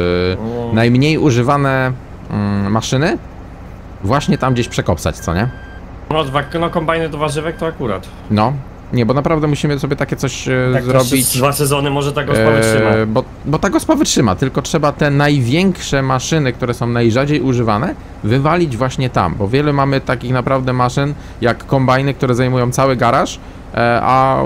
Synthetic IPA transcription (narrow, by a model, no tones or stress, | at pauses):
najmɲejuʐɘvanɛ | maʂɘnɘ | vwaɕɲɛt̪amɡd͡ʑeɕpʂɛkɔpsa̰t͡ɕt̪sɔ̰ɲɛ | nɔd̪vanɔkɔmbajnɘd̪ɔvaʐɘvɛk̚t̪ɔakuɾa̰t̪ | nɔ | ɲɛbɔnapɾavd̪ɛmuɕimɘsɔbʲjɛt̪akʲɛt̪sɔɕzɾɔbʲit͡ɕd̪vasɛzɔnɘmɔʐɛt̪aɡɔavʂɘabɔ | bɔt̪aɡɔspavɘtʂɘma̰t̪ɘlkɔtʂɛbat̪ɛnajvʲjɛŋkʂɛmaʂɘnɘk̚t̪uɾɛsɔ̃w̃najʐad͡ʑejuʐɘvanɛ | vɘvalʲid͡ʑvwaɕɲɛt̪a̰mbɔvʲjɛlumamɘt̪akʲixnapɾavd̪ɛmaʂɘn | jakːɔmbajnɘkt̪uɾɛzajmujɔ̃w̃t̪sawɘɡaɾaʂ | a̰